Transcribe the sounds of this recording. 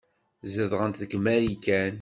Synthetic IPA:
zəðʁənt̪ðəkmæɾikæn

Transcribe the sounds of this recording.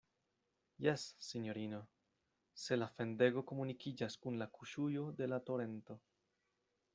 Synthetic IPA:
jesːiɲo̞ɾino̞ | se̞lafe̞nde̞ɡo̞ko̞munikid͡ʒaskunlakuʃujo̞de̞lato̞ɾe̞nto̞

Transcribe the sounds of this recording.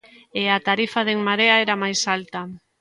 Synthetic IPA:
eat̪aɾifaðeŋmaɾeaɛɾamajsalt̪ɐ

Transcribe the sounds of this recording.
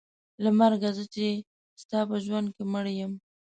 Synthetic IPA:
lamaɾɡazət͡ʃe | st̪ɑpəʒwand̪̚keməɽjəm

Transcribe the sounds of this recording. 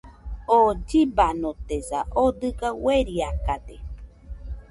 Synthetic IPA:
od͡ʒibanot̪ezaʔod̪ɨɡaweɾiakad̪e

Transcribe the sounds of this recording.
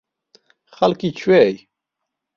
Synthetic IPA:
xalkit͡ɕʰwej

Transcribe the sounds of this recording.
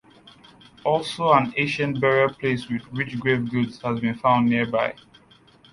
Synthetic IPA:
ɔlˠsoãneʃə̃nbɛɹiəpʰleswidɹit͡ʃɡɹevɡudz̥hazbĩnfãʊ̃ndːiəbaɪ

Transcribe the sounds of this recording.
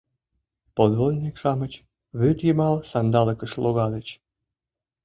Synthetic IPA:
pod̪βolʲnʲikʃɑmət͡ɕ | βyt̪jəmɑlsɑnd̪ɑləkəʃloɣɑd̪ət͡ɕ

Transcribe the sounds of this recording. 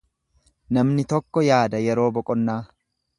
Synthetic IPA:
nɐmnɪt̪ɔkːɔjaːd̪ɐjɛɾo̞ːbɔkʼɔnːaː

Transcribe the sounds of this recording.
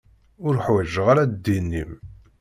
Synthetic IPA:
ʊɾħwæʒəʁaɾad̪d̪inːim

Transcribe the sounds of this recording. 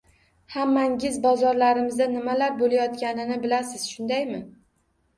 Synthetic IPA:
hamːaŋʲɪzbɒzɒɾlaɾɪmɪzd̪anɪmalaɾbolajɒt̪kʲanɪnɪbɪlasɪz̥ʃʊnd̪ajmɪ

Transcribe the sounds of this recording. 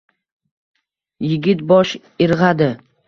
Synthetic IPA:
jɪɡʲɪt̪bɒʃ | ɪɾʁad̪ɪ

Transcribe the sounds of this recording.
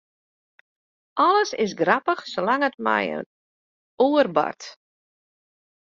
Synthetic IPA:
ʔɔləsɪ̰s̬ɡrapəxsolaŋətmɛ̰jə̰n | uərba̰rt

